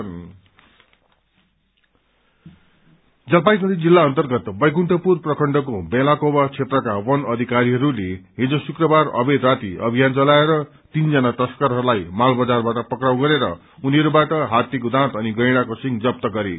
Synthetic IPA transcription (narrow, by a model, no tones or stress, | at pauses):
d͡zʌlpajmʌd̪id͡zilːaʌnt̪ʌrɡʌt̪bʌjkuɳʈʰʌpurprʌkʰʌɳɖʌkobelakobʌt͡sʰet̪rʌkawʌnʌd̪ʱikaɾiɦʌɾuleɦid͡zosukrʌbarʌ̰bed̪rat̪iʌbʱijant͡sʌlaeɾʌ | t̪ind͡zʌnaʈʌskʌɾɦʌɾulajmalbʌd͡zarbaʈʌpʌkrawɡʌɾeɾʌ̰ | uniɦʌɾubaʈʌɦat̪ikod̪ãt̪ʌniɡʌjɽ̃akosiŋd͡zʌp̚t̪ʌɡʌɾe